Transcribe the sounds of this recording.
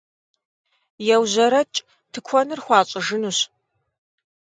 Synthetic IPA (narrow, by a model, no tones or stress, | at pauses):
jɛwʑɐɾɐt͡ʃʼ | tʰɨkʷʰɔnɨrxʷɑːɕʼɪʒɨnuɕ